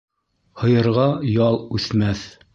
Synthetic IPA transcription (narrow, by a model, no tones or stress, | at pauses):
hɤ̆jɤ̆ɾʁɑjɑlˠʉθmæθ